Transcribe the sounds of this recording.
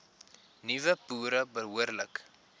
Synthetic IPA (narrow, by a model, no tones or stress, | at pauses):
nivəpuːɾəbəɦuərlək